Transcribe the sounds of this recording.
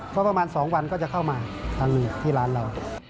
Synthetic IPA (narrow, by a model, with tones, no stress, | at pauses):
pʰɔ˦˥pa˧maː˧nsɔː˩˦ŋwa˧nkɔː˥˩t͡ɕa˨˩kʰa˥˩wmaː˧t̪ʰaː˧ŋnɯː˧˩t̪ʰiː˥˩laː˦˥nɾa˧w